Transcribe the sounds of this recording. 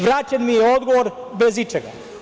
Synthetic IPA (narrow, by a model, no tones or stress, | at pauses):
ʋɾaːt͡ʃanmijeod̪ɡoʋoɾ | bezit͡ʃeɡa̰